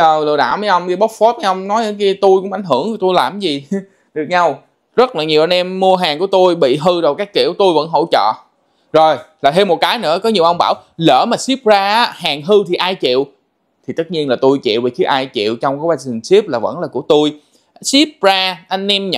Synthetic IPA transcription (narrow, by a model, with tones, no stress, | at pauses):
əː˨˩wlɨ˨˩ɗa̰ː˧˩wməː˨˦jʔə˧wŋ͡mɗi˧˦ɓo˦˥t̚fo˦˥t̚ma˨˦jʔə˧wŋ͡mnɔ˨˦jʔə˧˨˦ki˧t̪u˧jkʊ̰˧˥ŋ͡mʔa˨˩jŋ̟ɦɨ˧˩əŋ˨˩t̪u˧jlaː˨˩mzi˨˩ | ɗɨ˨˩ək̚ɲa˧w | zə˦˥t̚laː˨˩ɲi˨˩wʔa˧nʔɛ˧mːu˧əɦaː˨˩ŋku˧˩ət̪u˧jɓḭ˧˨ɦɨ˧zo˨˩jkaː˦˥kːḭ˧˩əwt̪u˧jvə̰˧˥nɦo̰˧˥˨t͡ɕə̰ː˧˨ | zo˨˩jlaː˨˩t̪ʰe˧mo˨˩t̚kaː˨˦jnɨ̰˧˥əkɔ˨˦ɲi˨˩əwʔə˧wŋ͡mɓaː˧˩wləː˧˩maː˨˩si˦˥p̚zaː˧ʔaː˨˦˥haː˨˩ŋɦɨ˧t̪ʰi˨˩ʔaː˧jt͡ɕḭ˧˨əw | t̪ʰi˨˩t̪ə˦˥t̚ɲi˧ənlaː˨˩t̪u˧jt͡ɕḭ˧˨wva˨˩ki˨˦ʔaː˧jt͡ɕḭ˧˨əwt͡ɕɔ˧wŋ͡mkɔː˨˦ɓa˧˩ŋzi˨˩ŋsi˦˥p̚laː˨˩və̰˧˥nlaː˨˩ku˧˩ət̪u˧j | si˦˥p̚zaː˧ʔa˧ŋ̟ʔɛ˧mɲ˧